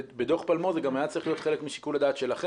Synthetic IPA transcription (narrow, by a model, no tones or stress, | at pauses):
bed̪oχpalmo̞zeɡamajadt͡saʁiχlijot̪χelekmiʃi̥kulad̪aːt̪ʃelaχe